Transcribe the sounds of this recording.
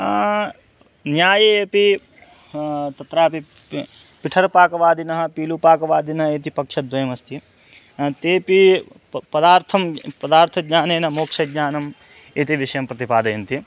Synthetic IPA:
njaːjɐepi | t̪ɐt̪ɾaːpi | piʈʰɐɾpaːkɐʋaːd̪inɐɦɐpiːlupaːkɐʋaːd̪inɐɦeːt̪ipɐkʂɐd̪ʋɐjɐmɐst̪i | t̪eːpipɐd̪aːɾt̪ʰɐmpɐd̪aːɾt̪ʰɐɲaːneːnɐmoːkʂɐɲaːnɐmeːt̪iʋiʃɐjɐmpɾɐt̪ipaːd̪ɐjɐnt̪i

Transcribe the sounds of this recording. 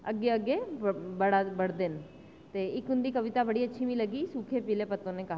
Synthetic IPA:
əɡːeəɡeːbəɽabəɽd̪ɪn | t̪eːɪkʊnd̪iːkəʋɪt̪aːbəɽiːətːʃʰiːmĩləɡiːsukʰepileːpət̪ːõːneːkɐɦ

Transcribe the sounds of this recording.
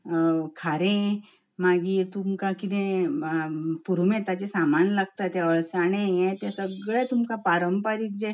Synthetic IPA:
kʰaɾẽ | maɡit̪umkakit̪ẽ | puɾmẽt̪at͡ɕesamanlaɡ̚t̪at̪jaʋəɭsaɽẽjɛt̪esəɡɭet̪umkapaɾəmpaɾiːk̚d͡ʑe

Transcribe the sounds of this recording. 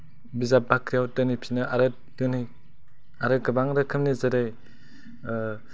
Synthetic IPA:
bizabakɾijawtɯnipʰinɯʔaɾɯt̚ | kɯnɯj | aɾɯkɯbaŋɾɯkʰɯmnizaɾej

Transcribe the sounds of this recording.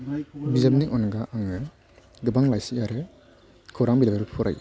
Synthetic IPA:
bizap̚niʔɔnɡaʔaŋɯ | ɡɯbaŋlajsijaɾe | kʰɯwɾaŋbilabeɾɯppʰuɾa̰j

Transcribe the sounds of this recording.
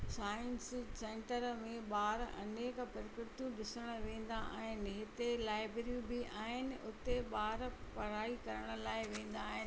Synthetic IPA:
saːɪnssẽːɳʈəɾmẽɓaːɾɐ̰neːkpɐɾɪkɾɪt̪jũɗɪsəɽ̃ʊʋẽːn̆d̪aa̰ãːɦɪnɪɦɪt̪elaːɪbɾɾjũbɪʔaːɦɪnɪ̆ʊt̪eɓaːɾpɐɾaːikɐɾəɽ̃ə̆laːɪʋẽːn̆d̪aːɦɪnɪ

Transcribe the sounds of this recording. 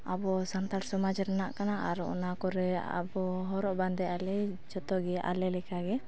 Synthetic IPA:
abɔsant̪aɾsɔmad͡ʒɾɛnaʔkanaʔa̰ɾɔ̰ʔɔ̰nakɔɾɛa̰bɔɦɔɾɔʔband̪ɛjalɛd͡ʒɔt̪ɔɡɛʔa̰lɛlɛkaɡɛ

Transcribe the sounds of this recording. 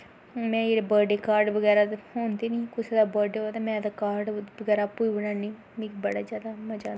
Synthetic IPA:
mɛ̃ːeːɾbəːɖeːkaːɾɖʋəɡɛːɾaːt̪hoːnd̪eːnĩːkʊsed̪aːbəːɖeoːd̪amɛ̃ːd̪akaːɾɖʋəɡɛːɾaːpuːibənaːniː | mikbəɽaːd͡ʒjaːd̪aməd͡ʒaː

